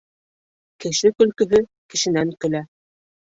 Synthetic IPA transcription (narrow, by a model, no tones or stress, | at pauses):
kɘ̆ʃɘkɵ̆lkɵ̆ɦɵ | kɘ̆ʃɘ̆næŋkɵ̆læ